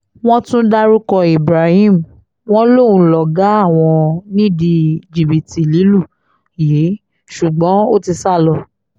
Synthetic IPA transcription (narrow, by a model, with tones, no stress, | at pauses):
w̃ɔ̃˦tũ˦da˦ɾu˦kɔ˧i˨bɾa˨hĩ˦˨m˨ | w̃ɔ̃˦lo˦˨ũ˨˦lɔ˨ɡa˨˦a˦˨w̃ɔ̃˧nĩ˦di˧d͡ʒi˨bi˨ti˨li˨˦lu˦˨ | je˨˦ | ʃu˨ɡ͡bɔ̃˨˦o˦ti˧sa˦˨lɔ˧